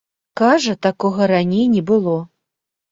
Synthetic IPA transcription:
kaʐɐt̪akɔɣɐɾanʲejnʲɛbɨlˠɔ

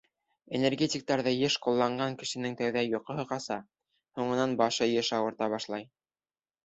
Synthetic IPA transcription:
enʲerɡʲetʲik̚t̪ɑɾðɤjɘʃqulˠːɑɴɢɑŋkɘ̆ʃɘ̆nɘŋt̪æwðæjŏqɤ̆ɦɤ̆qɑsɑ | huɴɤ̆nɑnbɑʃɤjɤʃɑwɤ̆ɾt̪ɑβɑʃlˠɑj

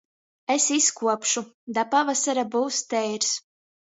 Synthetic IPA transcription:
esiskuɔpʃud̪apavasaɾabuwst̪ɛjɾs

